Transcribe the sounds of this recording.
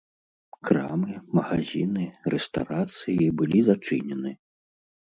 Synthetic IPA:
kɾa̰mɨmɐɣazʲinɨrɛst̪a̰wɾat̪sɨjibɨlʲizat͡ʂɨ̰nʲɛnɨ

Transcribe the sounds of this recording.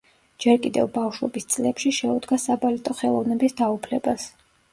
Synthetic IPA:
d͡ʒɛɾkʼid̪ɛ̰vbafʃwɛ̰bist̪sʼlɛpʃiʃɛud̪ɡasabalit̪ʼɔχɛlˠɔvnɛbisd̪aupʰlɛbas

